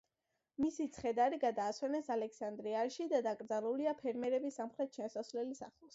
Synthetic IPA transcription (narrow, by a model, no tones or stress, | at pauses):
misit̪sʰχɛd̪aɾiɡad̪aːswɛnɛsalɛksand̪ɾiaɾʃid̪ad̪akʼɾd̪zalˠuliapʰɛɾmɛɾɛbisːamχɾɛt̪̚ʰʃʰansasvlɛlisa̰χlˠs